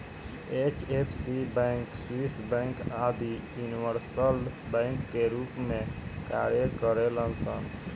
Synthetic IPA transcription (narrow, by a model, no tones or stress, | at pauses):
et͡ʃepʰsibɛ̃ŋkswisbə̃ŋkad̪ijuniʋəɾsəl | bə̃ŋkːeɾupmeka̰ɾjekəɾelənsə̰n